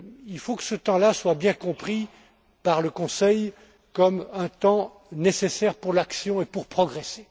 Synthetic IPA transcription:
ilfokə̥sət̪ɑ̃laswabjɛ̃kɔ̃pχi | paʁləkɔ̃sɛj | kɔmɛ̃t̪ɑ̃ | nesesɛʁpuʁlaksjɔ̃epuʁpχɔɡʁese

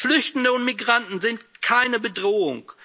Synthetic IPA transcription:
flʏçtn̩dəʊntmiɡʁantn̩zɪntkʰaɪnəbədʁoːʊ̰ŋ

